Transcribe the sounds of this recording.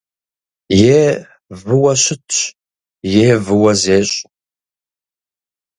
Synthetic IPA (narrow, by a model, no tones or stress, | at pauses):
jeː | vɨwɐɕɪtɕ | jeːvɨwɐzeːɕʼ